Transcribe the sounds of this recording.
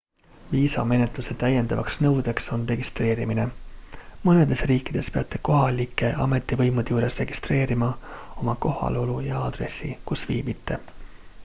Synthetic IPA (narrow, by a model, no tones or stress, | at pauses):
viːsɑ̰me̞ne̞t̪luse̞t̪æjːe̞nd̪̥ɑvɑ̰ksnɤwd̪̥e̞kso̞nre̞ɡ̥ist̪ɾe̞ːɾimine | mɤne̞d̪̥e̞sriːkːˑid̪̥e̞speɑt̪ːˑe̞ko̞ɦɑlikːˑe̞ʔɑ̰me̞t̪ːˑivɤjmud̪ejuːɾe̞sre̞ɡ̥ist̪re̞ːɾimɑo̞mɑko̞hɑ̰lo̞lujɑɑd̪̥re̞̰sːḭkusvḭːbit̪ːˑe